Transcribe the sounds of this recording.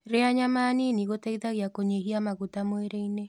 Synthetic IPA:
ɾeaɲamaːniniɣotɛɣit̪aɣiakoɲeɦiamaɣutamoeɾeine

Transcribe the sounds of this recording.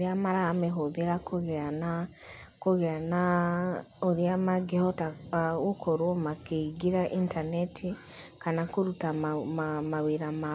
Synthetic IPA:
ɾeamaɾaːmɛɦoðeɾakoɣɛana | koɣɛana | oɾeamaɡehɔtaɣokʰɔɾwɔmakeiɡiɾaʔintanɛtʰe | kanakoɾuta | maweɾama

